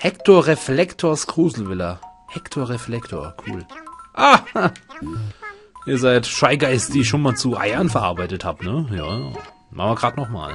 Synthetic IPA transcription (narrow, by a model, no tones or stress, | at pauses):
hɛktʰoːɐʁeflɛktʰoːɐsɡ̥ʁ̥uːzl̩vɪlɐhɛktʰoːɐʁeflɛktʰo̰ːɐkʰṵːlʔaː | ʔiːɐzaɪtʃaɪɡaɪsd̥iːɪçʃoːnmaːlt͡suʔa̰ɪɐnfɛɐʔa̰ɐbaɪtəthaːpnəja̰ːjaː | ma̰χnvɪɐɡʁaːtnɔχma̰ːl